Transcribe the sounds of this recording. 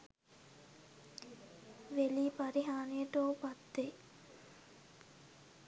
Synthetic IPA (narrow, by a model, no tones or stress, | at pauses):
ʋeliːpaɾiɦaːnejəʈoːpat̪ːe